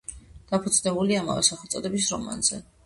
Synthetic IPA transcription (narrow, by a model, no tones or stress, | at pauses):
d̪̥apʰud̪znɛbuliama̰vɛ̰saχɛt̪sʼɔd̪ɛbis̬ɾɔma̰nz̥ɛ̰